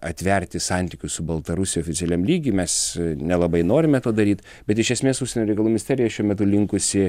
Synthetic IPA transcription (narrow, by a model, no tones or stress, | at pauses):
ɐt̪ʲʋʲɛɾʲt̪ʲɪsɑnʲt̪ʲɪkʲʊssʊbɐlˠt̪ɐɾʊsʲɪjoːfʲɪt͡sʲɛlʲɛmlʲiːɡʲɪːmʲɛsnʲɛlˠɐbɐɪnoːɾʲɪmʲɛt̪oːd̪ɐɾʲiːt̪ | bʲɛt̪ɪʃʲɛsʲmʲeːsʊʃsʲɛnʲoːɾʲɛɪkɐlˠuːmʲɪnʲɪsʲt̪ʲæːɾʲɪjʃʲuɔmʲɛt̪̬ʊlʲɪŋkʊsʲɪ